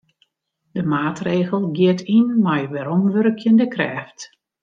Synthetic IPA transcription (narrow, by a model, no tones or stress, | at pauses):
d̥əmaːtreːɣəlˠɡɪətʰinmajʋɛɾɔmʋørkʰjəndəkrɛ̰ːft